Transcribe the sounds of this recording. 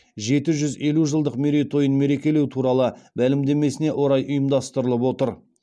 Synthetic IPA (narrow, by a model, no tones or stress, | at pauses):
ʒe̞t̪ɪʒʏze̞luʒəlˠd̪əqmeɾet̪ʰo̞jənme̞ɾe̞kʲe̞le̞wt̪ʰuɾɑlˠəbælɪmd̪e̞me̞sɪne̞ʔo̞ɾɑjʔʊjəmd̪ɑst̪əɾəlˠəpwo̞t̪əɾ